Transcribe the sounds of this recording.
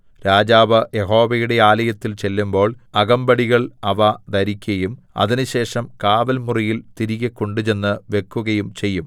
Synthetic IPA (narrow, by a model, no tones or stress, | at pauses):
ɾaːd͡ʑaːʋɐje̞ɦo̞ːʋɐjuɽe̞aːlɐjɐt̪ːilt͡ɕe̞lːumbo̞ːɭɐɣɐmbɐɽiɣɐɭɐʋɐd̪ɐɾikʲːɐjum | ɐ̰ðinɨɕe̞ːʂɐmkaːʋɐlmurijilt̪iɾiɣɐkːoɳɖut͡ɕe̞nːɨʋe̞kːuɣɐjumt͡ɕe̞jːum